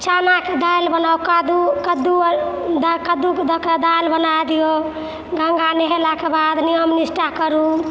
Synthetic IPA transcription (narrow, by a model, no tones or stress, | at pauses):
t͡ʃʰanaked̪ajlbənaukad̪ukəd̪ud̪kəd̪uked̪ʱəked̪ajlbənad̪ijo | ɡʱəŋɡaneɦelakebad̪nijəmnisʈakəɾu